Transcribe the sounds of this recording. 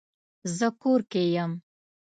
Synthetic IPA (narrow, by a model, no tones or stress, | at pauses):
zəkoɾkejəm